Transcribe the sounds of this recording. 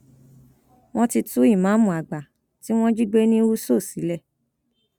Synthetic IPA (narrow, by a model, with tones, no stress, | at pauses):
w̃ɔ̃˦ti˧tu˦i˦˨mã˨˦mũ˨a˨ɡ͡ba˨ | ti˦w̃ɔ̃˦d͡ʒi˦ɡ͡be˦nĩ˦u˦so˦˨si˨˦lɛ˦˨